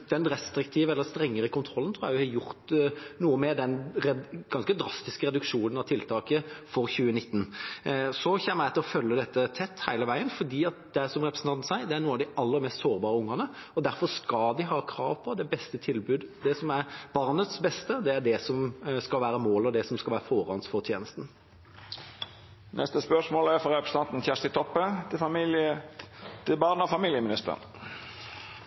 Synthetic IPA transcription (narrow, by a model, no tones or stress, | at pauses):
d̪̥ɛnɾɛst̪ɾɪk̚t̪ʰiːʋəɛlːəɾst̪ɾɛŋːəɾəkʰʊnt̪ʰɾɔlːənt̪ʰɾuːjæʋɪhɑjʊɾt̪nuːəmɛd̪ɛnɾɛɡ̥ɑnskəd̪ɾɑst̪ɪskəɾɛd̪ʉkʂuːnənɑʋt̪ʰɪlt̪ʰɑːkəfɔɾçʉːənɪt̪ːn̩ | sɔçɛːməæɪt̪ɪlɔfœlːəd̪ɛt̪ːət̪ʰɛt̪ːhæɪləʋæɪənfɔd̪iːɑt̪̚d̪ɛæsɔmɾɛpɾəsn̩ʰɑnsæɪd̪ɛæɾnuːəɑʋd̪ɪɑlːəɾmɛːst̪soːɾbɑːɾəʊŋːɑnəɔd̪æɾfɔʂkɑld̪ɪɦɑːkʰɾɑːʋpʰɔd̪ɛbɛst̪ət̪ʰɪlbʉːd̪d̪ɛsɔmæɾb̥ɑʁnət̪sbɛst̪əd̪ɛæɖ̪ɛsɔmskɑlʋæːɾəmoːlɔd̪ɛsɔmskɑlʋæːɾəfoːɾɑnsfɔʁt̪ʰjeːnəst̪n̩ | nʔɛst̪əspœʂmoːlæfɔɾɛpɾəsəɑnt̪n̩çæʂʈ̪ɪt̪ʰɔpːəɪ | t̪ɪbɑʁnɔfɑmiːlɪəmɪnɪst̪əʁə̰n